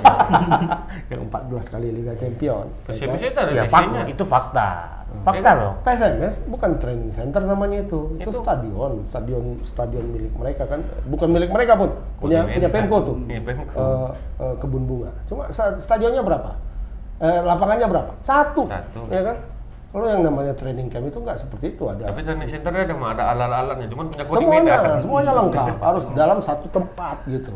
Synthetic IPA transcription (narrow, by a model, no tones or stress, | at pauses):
kaə̰mpa̰t̪̚bəlaskaliliɡat͡ʃɛmpiɔ̰n | at̪afaait̪ufak̚t̪a̰ | fak̚t̪akajas̬ɛnɛsbukant̪ɾenɪŋsɛnt̪ərnamaɲait̪uit̪ust̪adiɔnst̪adiɔnsə̥t̪adiɔnmilɪk̚məɾekakan̰bukanmilɪk̚məɾekapʊn | puɲapuɲapemkot̪ʊkʔə | əkəbunbuŋat͡ʃuma̰sasə̥t̪adiɔnɲabəɾapa | əlapaŋanɲabəɾapḁsat̪ṵijakan | kalojaŋnamaɲat̪ɾenɪŋkamit̪uŋɡaʔsəpərt̪iːt̪uadaapit̪ɾɛniŋsɛnt̪ərɲadamaːdaːlalalanɲat͡ʃumanpuɲakssəmuaɲasəmuaɲaləŋkaphaɾʊsdalamsat̪ut̪əmpat̪̚ɡit̪u